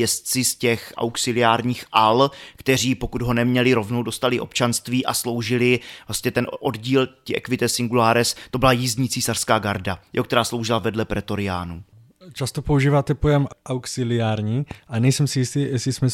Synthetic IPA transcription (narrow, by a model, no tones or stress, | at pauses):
jɛst̪t͡sɪscɛxʔa̰wksɪlɪjaːɾɲiːxʔalkt̪ɛr̝iːpo̞kud̪ɦo̞nɛmɲɛlɪɾo̞vno̞wdo̞st̪alɪʔo̞̰pt͡ʃanst̪viːʔa̰slo̞wʒɪlɪvlast̪ɲɛt̪ɛnʔo̞dɟiːlciʔɛ̰kvɪt̪ɛsɪŋɡulaːɾɛst̪o̞bɪlajizɲiːt͡siːsar̥skaːɡaɾdajɛ̰okt̪ɛɾaːslo̞wʒɪlavɛdlɛpɾʔɛt̪o̞ɾɪa̰ːnu | t͡ʃast̪opouʒiːvaːt̪ɛpojɛmʔawksɪlɪaːɾɲiːʔanɛjsɛmsɪjɪst̪iːjɛsɪsmɛ